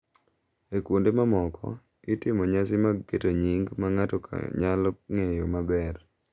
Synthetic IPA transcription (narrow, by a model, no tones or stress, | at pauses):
ekwondemamɔkɔ̰ | itɪmɔɲasɪmaketoɲiŋɡmaŋatɔkʰa̰ɲalɔŋejomabɛr